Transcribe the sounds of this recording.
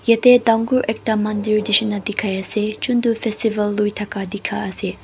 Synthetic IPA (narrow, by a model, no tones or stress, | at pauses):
jetedaŋɡuɾʔek̚tɐmɐndiɾdisɐnːɐdikʰajɐset͡ʃundupʰestibɐlːujtʰɐkadikʰaɐse